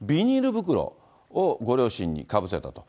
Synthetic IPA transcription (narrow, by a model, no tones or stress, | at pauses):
bʲiɲ̟iɾɯ̟bɯ̟k̬ɯ̟ɾo̰ | oɡo̞ɾʲo̞ːɕĩɲ̟ːḭkabɯ̟se̞t̪at̪o̞̥